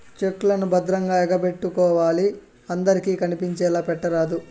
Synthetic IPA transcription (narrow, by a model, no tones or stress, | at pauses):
t͡ʃekːulɐnubɐd̪ɾɐŋɡaːɛɡɐpe̞ʈːukɔːʋaːli | ɐnd̪ɐɾikiːkɐnipiɲt͡ʃɛːlaːpɛʈːɐɾaːd̪u